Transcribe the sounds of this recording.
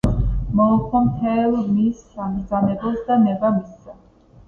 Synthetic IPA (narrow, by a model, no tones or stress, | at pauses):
mɔkʰwamt̪ʰɛlˠmisːamɡd̪zamɛbɔsd̪amɛbamisːa